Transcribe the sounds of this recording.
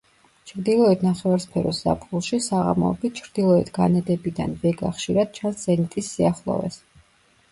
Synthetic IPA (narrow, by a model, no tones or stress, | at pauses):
t͡ʃʰɾd̪ilˠɔɛt̪ʰnaχɛvaɾspʰɛɾɔsza̰pʰɡulˠʃisaʁa̰mɔɛ̰bit̪̚ʰt͡ʃʰɾd̪ilˠɔɛt̪ʰɡ̥anɛd̪ɛbid̪anvɛɡaχʃiɾad̪̥̚t͡ʃʰansz̥ɛnit̪ʼisːiaχlˠɔ̰vɛ̰s